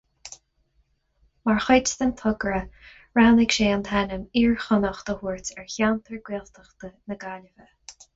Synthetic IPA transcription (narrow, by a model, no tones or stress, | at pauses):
maɹxɪtst̪ənt̪ʰʊɡɹə | ɹanɪkʃeːɑnt̪ʰɛnəmiːɹxʊnəxt̪əhuːɹtɛɹçant̪ʰəɹɡwiːlt̪ʰəxt̪ənəɡalʲəvə